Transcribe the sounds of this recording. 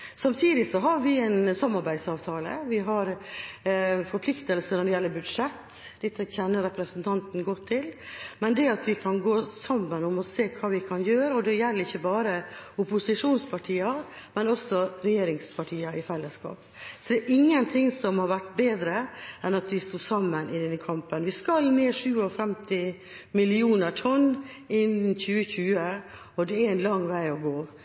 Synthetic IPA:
sɑmt̪ʰiːd̪ɪsɔɦɑɾʋɪɛɪnsɔmːɑɾbæɪd̪sɑːʋt̪ʰɑːlə̰ʋɪɦɑɾ | fɔɾpʰlɪkt̪əlsənɔɖ̪ɪjɛlːəbʉd̪ʂɛt̪ː | d̪ɪt̪ːəçɛnːəɾɛpɾəsənt̪ʰɑnt̪n̩ɡɔt̪ʰːɪlmɛnd̪ɛɑt̪ʋɪkʰɑnɡoːsɑmːənɔmɔseːkʰɑːʋɪkʰɑnjøːɾəɔd̪ɛjɛlːəɾɪçːəbɑːɾəʊpʊsɪʂuːnspʰɑʈʰiːɑ | mɛnɔsɔɾɛjeːɾɪŋspʰɑʈʰiːɑɪfɛlːəskɑ̰ːp | sɔd̪ɛːɾʔɪŋːənt̪ʰɪŋːsɔmhɑɾʋæʈːbeːd̪ɾəɛnɑt̪ʋɪst̪uːsɑmːənʔɪd̪ɛnːkʰɑmpənʋɪskɑlmeːʂʉːɔfɾɛmt̪ɪ | mɪlɪuːnəʈʰɔnː | ɪnçʉːəçʉːə | ɔd̪ɛææɪnlɑŋːʋæɪɔɡoː

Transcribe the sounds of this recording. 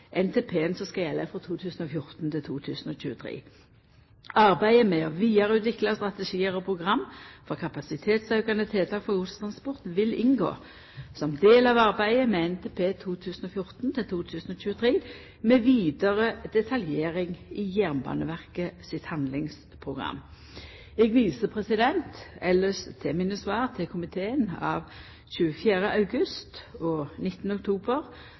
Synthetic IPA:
ʔɛnt̪ʰeːpʰeːɛnsɔskɑjɛlːəfʁɔt̪ʰuːt̪ʰʉːsn̩ɔfjʊʁt̪nt̪ʰɪlt̪ʰuːt̪ʰʉ̰ːsnɔc͡çʉːət̪ʰʁɾḛː | ɑʁbæɪəmɛɔʋiːɑʁəʉːt̪ʋɪklɑst̪ʁɑt̪əʂiːəʁɔpʰʁʊɡʁɑmːfɔʁkʰɑpɑsɪt̪ʰeːt̪sœʉkɑnət̪ʰɪlt̪ʰɑːkfɔʁɡʊst̪ʰɑnspɔʁt̪ʋɪlɪnɡo̰ː | sɔmd̪eːlɑʋɑʁbæɪəmɛɛnt̪ʰeːpʰeːt̪ʰuːt̪ʰʉːsnɔfjʊʁt̪nt̪ʰɪlt̪ʰuːt̪ʰʉːsnɔɕʉːət̪ʰʁeː | mɛːʋiːd̪əʁəd̪ɛt̪ʰɑljeːʁɪŋɪjæʁmbɑ̰ːnəʋæʁkəsɪt̪hɑnd̪lɪŋs | pʰʁʊɡʁɑ̰mː | ɛɡʋiːsəpʰʁɛsɪd̪ɛnt̪ɛlːəst̪ʰɛmɪnəsʋɑːʁt̪ʰɪlkʰʊmɪt̪ʰeːənɑ̰ːʋ | çʉːəfjæːɾəʔɑʉɡʉst̪ɔnɪt̪ːnəɔk̚t̪ʰuːbəʁ

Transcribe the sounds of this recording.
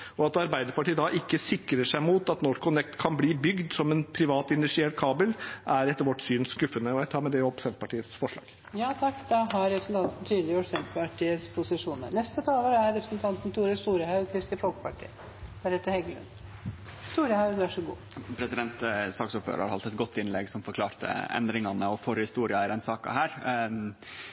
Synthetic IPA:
ɔɑt̪ɑɾbæɪd̪əɾpɑʈiːəd̪ɑʔɪkːəsɪkɾəʂæɪmuːt̪ɑt̪nɔkʰʊnɛkt̪kʰɑnbliːbʏɡd̪sɔmɛnpʰɾɪʋɑːt̪ɪnʉsɪɛʈkʰɑːbəlʔæɾɛt̪ːəɾʋɔʈːsyːnskʉfːənəɔjæɪt̪ʰɑːmɛd̪ɛɔpsɛnt̪pɑʈiːəsfɔʂɭɑ̰ːɡ̥ | jɑːt̪ʰɑkːd̪ɑɦɑɾɾɛpɾəsn̩t̪ɑnt̪n̩t̪ʰyːd̪lɪɔʈsɛnt̪pɑʈʰiːəspʰʊsɪʂuːnə̰ɾnɛst̪ət̪ʰɑːləɾæɾɛpɾəsnt̪ʰɑnt̪n̩t̪ʰuːɾəst̪uːɾəhɑʉkʰɾɪst̪ɪfɔlkpʰɑʈʰḭːə | d̪̥æɾɛt̪ːəɾhɛɡəlʉ̰n | st̪uːɾəhɑʉæʂɔɡṵːpʰɾɛsɪd̪ɛnt̪sɑːksuːɾfø̰ːɾɑ̰ɾhɑlt̪ɛt̪̚ɡɔt̪ːɪnlɛɡsɔmfɔɾkʰlɑːɾt̪ə̰ɛ̰nd̪ɾɪŋɑnəɔfɔɾhɪst̪uːɾɪɑɪɾd̪ɛnsɑːkɑ̰hæːɾ

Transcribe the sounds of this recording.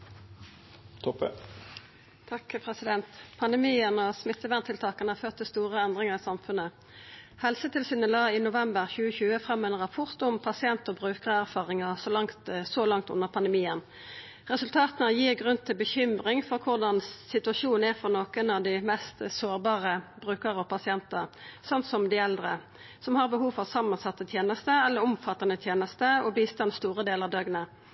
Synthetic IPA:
t̪ʰɔpə | t̪ʰɑkpʰʁɛsɪd̪ɛnt̪pʰɑnd̪əmiːənɔsmɪt̪ːəʋænt̪ʰɪlt̪ʰɑːkɑnəhɑføːt̪ʰːɪlst̪uːʁəɛnd̪ʁɪŋəʁɪsɑmfʉnə | hɛlsət̪ʰɪlsiːnəlɑːinʊʋɛmbəʁçʉːəçʉːəfʁɑmːɛːnʁɑpʰɔʁt̪ʊmpʰɑsɪɛnt̪ɔbʁʉːkəʁəæʁfɑːʁɪŋəʁsɔlɑŋt̪sɔlɑŋt̪ʉ̰nːəʁpʰɑnd̪əmiːən | ʁɛsʉlt̪ʰɑːt̪ənəjiːʁɡʁʉnt̪ʰɪlbəçʏmʁɪŋfɔʁkʰʊʁd̪ɑnsɪt̪ʉɑʃuːn̩æʁfɔʁnoːkənɑʋd̪ɪmɛst̪soːʁbɑːʁəbʁʉːkəʁəɔpʰɑsɪɛnt̪əʁsɑnt̪sɔmd̪ɪɛld̪ʁə | sɔmhɑʁbəɦuːʋfɑʋsɑmːɑnsɑt̪ːət̪ʰjeːnəst̪əɛlːəɾɔmfɑt̪ːənət̪ʰjeːnəst̪əɔbiːst̪ɑnst̪uːʁəd̪eːləʁɑʋd̪œɡnə

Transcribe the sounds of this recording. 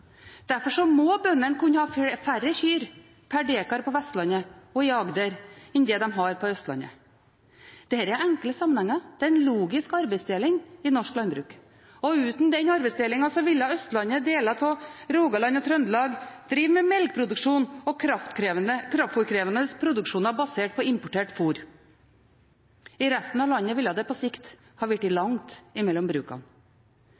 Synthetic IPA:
d̪̥æɾfɔʂɔmɔbœnːəɳkʰʉnːəhɑːfærəçyːɾ | pʰæɖeːkɑɾpʰɔʋɛst̪lɑnəɔɪɑɡd̪əɾɛnd̪ɛːd̪ɛmɦɑɾpʰɔœst̪lɑ̰nə̰ | d̪̥ɛhæːɾææŋkləsɑmənhɛŋːɑd̪̥ɛæɾɛnluːɡɪskɑɾbɛɪsd̪eːlɪŋɪnɔʂklɑnbɾʉ̰ːk | ɔʉːt̪n̩d̪ɛnɑɾbɛɪsd̪eːlɪŋɑsɔʋɪlːɑœst̪lɑnəd̪eːlɑt̪ʰɔɾuːɡɑlɑnɔt̪ʰɾœnd̪lɑːɡd̪̥ɾiːʋmɛmɛlɡ̚pʰɾʊd̪ʉʂuːnɔkʰɾɑft̪kɾəkʰɾɑft̪fuːɾkʰɾeːʋənəspʰɾʊd̪ʉkʂuːnɑbɑseːʈ̚pʰɔɪmpʊʈʰeːʈfuːɾ | ɪɾæst̪n̩ɑʋlɑnːəʋɪljɑd̪ɛpʰɔsɪkt̪ | hɑʋɪʈːɪlɑŋt̪ɪmɛlːɔmbɾʉ̰ːkɑ̰n

